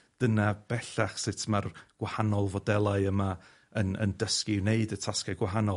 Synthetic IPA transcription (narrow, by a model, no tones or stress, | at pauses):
d̥ənab̥ɛɬaχsɪtʰmarɡ̥wahanɔlˠvɔdɛlˠaɨəma | ənə̰ndəskineɨdətʰaskaɡwaɦanɔ